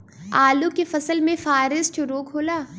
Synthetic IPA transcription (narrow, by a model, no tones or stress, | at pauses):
aːlukefɐsəlmẽfaːɾɪzt͡ʃoɾoːkʰoːlaː